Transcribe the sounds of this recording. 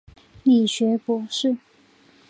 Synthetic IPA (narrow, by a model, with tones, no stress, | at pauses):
li˨˩ɕɥɛ˧˥pwɔ˧˥˦ʂɻ̩˥˩